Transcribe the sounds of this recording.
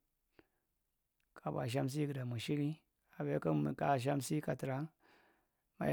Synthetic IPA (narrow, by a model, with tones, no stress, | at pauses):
ka˨ba̰˨ʃ̬a˦ms̬i˦˨ɡɨ˨da˨mu˨ʃi˦li˦ | a˨be˦kə˦m˨ka˨ʃ̬a˦msi˦ka˨ti˨ɾa˨˦ | ma̰˨